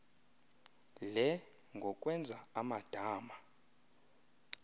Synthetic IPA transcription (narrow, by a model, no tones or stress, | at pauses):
lɛ | ŋɡʱɔk̬ʼwɛnd͡zʱaamad̥ʱaːma